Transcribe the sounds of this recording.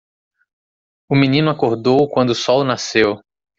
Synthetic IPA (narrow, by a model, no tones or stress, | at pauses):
ʊmĩnĩnʊakoɾd̪owkwɐ̃nd̪ʊʊsɔwnasew